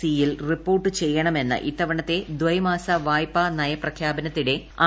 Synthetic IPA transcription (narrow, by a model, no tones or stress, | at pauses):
ijilripːo̞ːrʈːɨt͡ɕe̞jːɐɳɐme̞nːɨ̰ʔit̪ːɐʋɐɳɐt̪ːe̞d̪ʋɐjmaːsɐʋaːjpːanɐjɐprɐkʰjaːbɐnɐt̪ːiɽe̞a